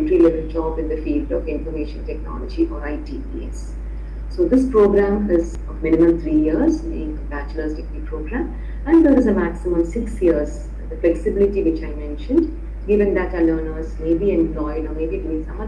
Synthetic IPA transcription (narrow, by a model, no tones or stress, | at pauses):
ʈɾilɪvɪ̃ld͡ʒɔːbɪ̃nd̪əfiːlɖɔvɪ̃nfəɾmeːʃə̃nʈɛknɔ̰ləd͡ʒiʔɔːɾaɪʈiːpḭɛ̰s | soːd̪ɪspɾoːɡɾæ̃mɪz | ɔmɪ̃nɪmə̃mt̪ʰɾiːjiəɾzmḛɪ̃ŋkə̃mpæt͡ʃələsʈɪkʋipʰɾoːɡɾæ̃m | æ̃ɳd̪əɾɪzəmæksɪmə̃ʋsɪksjiəɾz | d̪əflɛksɪbɪlɪʈiʋɪt͡ʃaɪmɛ̃nʃə̃nɖ | ɡɪʋɪ̃ŋd̪æʈələːnəɾzmeːbiɛ̃mplɔɪɖɔːɾmeːbitmɪ̃sʌ̃mʌ